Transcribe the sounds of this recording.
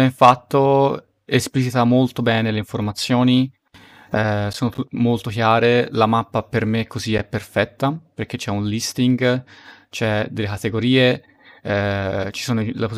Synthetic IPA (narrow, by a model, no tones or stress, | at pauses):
ɛɱfat̪ːo | esplit͡ʃit̪amolt̪obɛːneleiɱformat̪sːjoːni | soːnoumolt̪okjaːɾelamapːapermekʰːoziɛpːerfɛt̪ːaperk̟et͡ʃːɛunlist̪iŋɡ | t͡ʃɛd̪elːekat̪eɡoɾiːe | t͡ʃi̥soːnolepo